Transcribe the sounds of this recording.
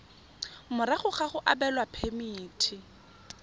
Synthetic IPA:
mʊɾaχʊχaχʊʔa̰bɛlwapʰemiːtʰɪ

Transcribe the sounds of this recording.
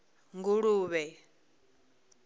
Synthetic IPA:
ŋɡuɺuːβɛ

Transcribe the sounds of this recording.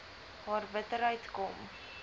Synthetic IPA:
ɦɑːrbətəɾɦəɥtkɔm

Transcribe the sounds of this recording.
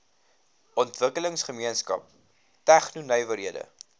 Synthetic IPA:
ɔntvəkələŋsχəmiənskɐ̰p̚ | tæχnunœjvəɾɦiədə̰

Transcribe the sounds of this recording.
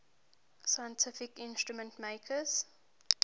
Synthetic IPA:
sajə̃ntʰɪfɪkɪ̃nstɹumə̃ntmeɪkʰəz̥

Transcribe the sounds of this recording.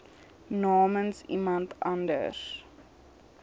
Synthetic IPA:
nɑːmənsḭmɐntʰɐndə̰s

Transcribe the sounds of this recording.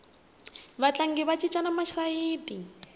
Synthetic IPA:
βat͡ɬaŋ̩ɡɪβat͡ʃʼit͡ʃʼanamaʃaiːtʼi

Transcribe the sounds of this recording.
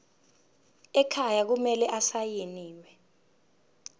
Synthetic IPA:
ɛkʰajak̬umɛlɛʔasajeniːwɛ

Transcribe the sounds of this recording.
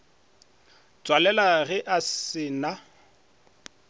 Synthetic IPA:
t͡sʼwalɛlaɣɪʔasɪːna

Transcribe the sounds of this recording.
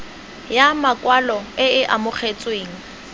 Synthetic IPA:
jamakʼwalɔɪɪʔamʊχʰet͡sʼweːŋ̩

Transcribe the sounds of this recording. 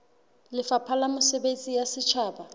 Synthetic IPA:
lɪfapʰalamʊsɛbet͡sʼijasɪt͡ʃʰaːba

